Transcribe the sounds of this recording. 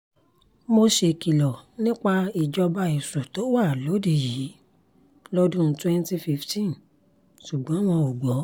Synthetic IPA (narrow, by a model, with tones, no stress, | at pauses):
mo˧ʃe˧ki˨lɔ˨nĩ˦k͡pa˧i˨d͡ʒɔ˧ba˧i˨su˨to˨˦wa˦˨lo˨˦di˧jiː˨˦ | lɔ˦dũ˦˧˦twɛ̃˦n˦ti˧fi˧ftĩ˦n | ʃu˨ɡ͡bɔ̃˨˦w̃ɔ̃˧o˨ɡ͡bɔ˨˦